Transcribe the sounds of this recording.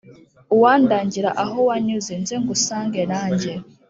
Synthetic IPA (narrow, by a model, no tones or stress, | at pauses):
uwaːndaːɲɟiɾaʔaɦowaɲuzinzeŋɡusaːŋɡenaːɲɟe